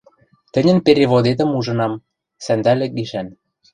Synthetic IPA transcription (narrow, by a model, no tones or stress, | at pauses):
t̪ə̆nʲə̆npeɾeβod̪et̪ə̆muʒɤ̆nɑm | sænd̪ælek̚ɡiʃæn